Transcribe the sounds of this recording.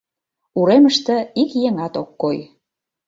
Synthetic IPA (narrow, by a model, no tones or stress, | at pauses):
uɾeməʃt̪ə̆ikjeŋɑt̪okːoj